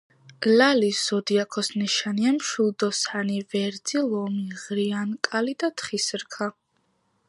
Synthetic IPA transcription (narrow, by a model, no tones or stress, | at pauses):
laliszɔd̪iakʰɔsnɛʃaniamʃulˠd̪ɔsanivɛɾd̪zilˠɔmiʁɾiankʼalid̪at̪ʰχisɾkʰa